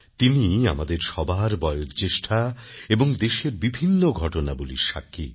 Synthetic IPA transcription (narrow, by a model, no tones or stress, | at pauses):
t̪iniamad̪eɾʃɔbaɾbɔeot̪t͡ɕeʃʈʰaeboŋd̪eʃeɾbibʱinːoɡʱɔʈonaboliɾʃa̰kʰːi